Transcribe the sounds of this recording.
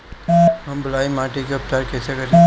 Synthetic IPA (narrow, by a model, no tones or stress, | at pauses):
ɦɐmbɐlaːimaːʈikeʊp̚t̪aːɾkɛːsekɐɾ